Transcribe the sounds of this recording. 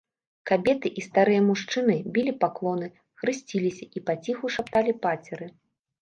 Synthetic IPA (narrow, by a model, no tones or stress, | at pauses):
kabʲɛt̪ɨʔist̪aɾɨjɐmuʂt͡ʂɨnɨbʲilʲipaklˠɔnɨ | xɾɨsʲt͡sʲilʲisʲɐʔipat͡sʲixuʂapt̪alʲipat͡sʲɛɾɨ